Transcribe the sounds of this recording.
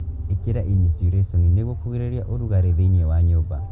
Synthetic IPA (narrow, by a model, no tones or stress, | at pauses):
ekeɾaʔinisɾesonineɣokuɣiɾeɾiaʔoɾuɣaɾeðeniewaɲoba̰